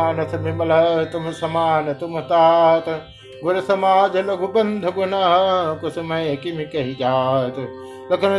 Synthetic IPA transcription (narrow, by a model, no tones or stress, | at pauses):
nɐsɐmibɐlɐt̪umsɐmaːnɐt̪umɐt̪aːɦɐt̪ɐ | ɡʊɾɐsɐmaːd͡ʒɐlɐɡubɐnd̪ʱɐɡunaɦɐkosɐmɐjɐkimikɐɦid͡ʒaːɦt̪ | lɐkɐn